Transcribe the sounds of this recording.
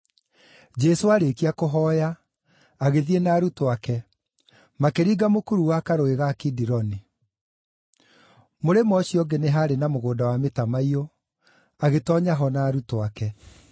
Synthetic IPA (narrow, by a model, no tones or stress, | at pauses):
d͡ʒɛsoaɾekiakoɦɔːjaː | ɣeðienaːɾutoakɛ | makeɾiːɡamokuɾuwakaɾoeɣakidiɾɔni | moɾemɔɕiɔɡeneɦaɾenamoɣoːdawametamaio | aɣetɔɲaɦɔnaːɾutwakɛ